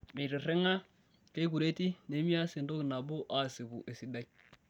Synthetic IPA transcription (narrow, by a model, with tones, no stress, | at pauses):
me˨ɾe˨ɾe˦ŋa˦ | ke˦ku˨ɾe˦ti˦ne˨˦mi˦a˦sɪ˨ndo˦kna˨bu˦ʔa˦˨si˨ɡu˨ʔe˨si˨da˦j